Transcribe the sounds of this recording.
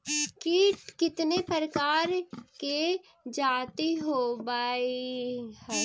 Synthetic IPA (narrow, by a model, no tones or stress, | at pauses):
kiːʈkɪt̪nepəɾəkaːɾke | d͡ʒaːt̪iɦobaːih